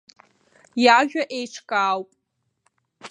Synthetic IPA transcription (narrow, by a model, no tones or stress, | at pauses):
jaʒᶣaʔejʈ͡ʂʰkʼaːwpʼ